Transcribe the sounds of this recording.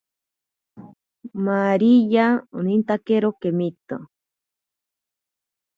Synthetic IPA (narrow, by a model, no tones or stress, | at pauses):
maɾijaonint̪akeɾokemit̪o